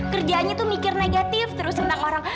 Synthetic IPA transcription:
kərd͡ʒaːnɲat̪umikɪrneɡat̪ɪft̪əɾʊsənakoɾaŋ

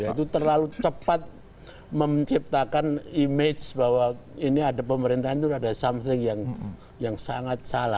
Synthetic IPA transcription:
it̪̬ut̪ərlalut͡ʃəpat̪̚ | məmt͡ʃip̚t̪akanimed͡ʒbawainiadapəməɾint̪aɦant̪uadasamθɪŋjaŋ | jaŋsaŋat̪̚sala̰

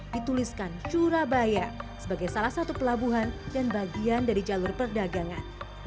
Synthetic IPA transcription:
dit̪uliskant͡ʃuɾabajasəbaɡajsalahsat̪upəlabuɦandanbaɡiandaɾid͡ʒalʊrpərdaɡaŋan

